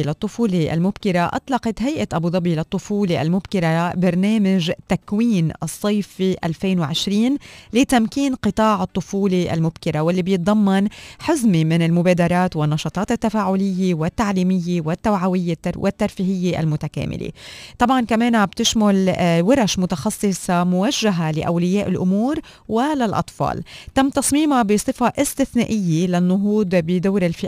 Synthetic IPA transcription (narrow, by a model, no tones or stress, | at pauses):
lɑt̪ˤːʊfuːleʔa̰lmʊbkɪɾaʔɑ̰t̪ˤlɑqɑt̪ɦajʔat̪ʔabud̪ˤɑbilat̪ˤːʊfuːleʔa̰lmʊbkɪɾabɪɾˤneːmɪʒt̪akwiːnʔɨsˤːɑjfiʔalfeːnwʕɪʃɾiːnlit̪amkiːnqɨt̪ˤɑːʕɨt̪ˤːʊfuːleʔa̰lmʊbkɪɾawɪlːibjɨt̪̚ˤd̪ˤɑmːɑnħɪzmimɪnɪlmʊbeːd̪ɑɾˤɑːt̪wɪnːɑʃɑt̪ˤɑːt̪ɪt̪ːafaːʕʊlɪjːewɪt̪ːaʕliːmɪjːewɪt̪ːawʕawɪjːewʔɪt̪ːaɾfiːɦɪjːeʔa̰lmʊt̪akḛːmʔɪ̰lḛt̪ˤɑbʕɑnkameːnabt̪ɪʃmʊlwɪɾˤaʃmʊt̪ɑxɑsˤːɨsˤɑmʊwaʒːaɦalɪʔawlɪjeːʔɪlʔʊmuːɾ | walalʔɑ̰t̪ˤfɑ̰ːlt̪amːt̪ɑsˤmiːmabisˤɨfɑʔɪst̪ɪθneːʔɪjːelanːʊɦuːd̪bɪd̪awːɾɪlfɪʔ